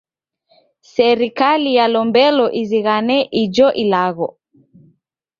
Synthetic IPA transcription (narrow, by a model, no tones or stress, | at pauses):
sɛɾikalijalɔmbɛlɔʔiziɣanɛʔid͡ʒɔʔilaɣɔ